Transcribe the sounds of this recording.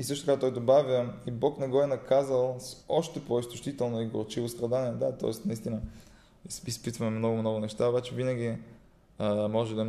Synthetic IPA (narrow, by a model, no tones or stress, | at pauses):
isɤʃt̪ot̪kat̪ɔjd̪obavʲəibɔknɛɡɔɛnɐkazəlˠsɔʃt̪ɛpoist̪ʊʃt̪it̪ɛlˠnoiɡo̰ɾt͡ʃivost̪ɾɐd̪aniɛd̪at̪ɔ̰ɛsnɐist̪inə | ispit̪vɐmɛmnɔɡʊmnɔɡʊnɛʃt̪aobat͡ʃɛvinɐɡʲi | mɔʒɛd̪ɐ